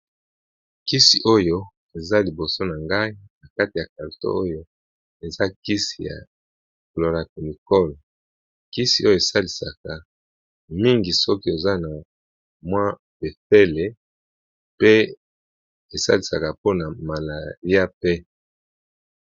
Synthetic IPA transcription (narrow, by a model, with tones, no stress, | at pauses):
ki˦si˨ʔo˦jo˦ | e˨za˦li˨bo˨so˦na˨ŋɡa˦i˦na˨ka˦ti˨ja˨ka˨lto̰˦o˦jo˦ | e˨za˦ki˦si̥˨ja̰˨ | klo˨ʁa˨ki˨ni˨kɔ˦l | ki˦si˨o˦jo˦˨e˨sa˦li˨sa˨ka˨ | mi˦ŋɡi˨sɔ˦ki˦e˨za˦na˨ | mwa˦ | be˨fe˦le˨ | pe˦ | e˨sa̰˦li˨sa˨ka˨po˦na˨ma˨la˨ʁi˦a˦pe˦